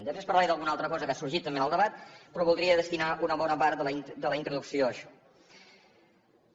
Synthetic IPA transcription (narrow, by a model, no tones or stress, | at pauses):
d̪əspɾespəɾlaɾiðəlˠɣunalˠt̪ɾəkɔzəkasuɾʒit̪ːəmbenəlˠd̪əβat̪pɾɔβulˠd̪ɾiəðəst̪inaunəβɔnəpaɾt̪əld̪ələint̪ɾuðuksioəʃɔ̥